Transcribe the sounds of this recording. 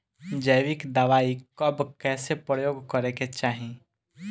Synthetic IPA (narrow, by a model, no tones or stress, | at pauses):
d͡ʒəjʋɪkd̪ɐʋaːikɐbkɛːsepɾəjoːɡkəɾeket͡ʃaːɦi